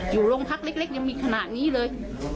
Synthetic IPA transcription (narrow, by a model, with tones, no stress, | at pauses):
juː˨˩lo˧ŋpʰa˦˥k̚le˦˥k̚le˦˥k̚ja˧ŋmiː˧kʰa˧na˨˩ʔniː˦˥lɤː˧j